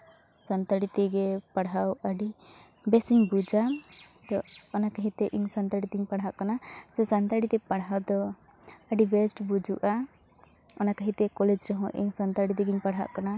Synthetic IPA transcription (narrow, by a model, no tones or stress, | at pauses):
sant̪aɽit̪ɛɡɛpaɽawəɖi | bɛsiɲbud͡ʒat̪ɔɔnakaɦĩt̪ɛʔiɲsant̪aɽit̪iɲpaɽ̤ɦaʔkanat͡ʃɛsant̪aɽit̪ɛpaɽɦawd̪ɔ | əɖibɛsʈbud͡ʒuʔa | ɔnakaɦĩt̪ɛkɔlɛd͡ʒɾɔɦɔ̃ʔḭɲsant̪aɽit̪ɛɡiɲpaɽ̤ɦa̰ʔkana